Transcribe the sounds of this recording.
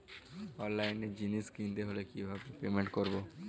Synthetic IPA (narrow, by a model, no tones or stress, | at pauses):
ɔːnlaːɪnːed͡ʒiniskĩːnd̪eɦoːlekiʋɦãpepeːmẽɳʈ̚kɔɾboː